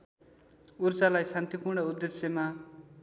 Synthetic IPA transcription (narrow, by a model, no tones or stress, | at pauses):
urt͡salajsant̪ipuɾɽʌud̪ːesjema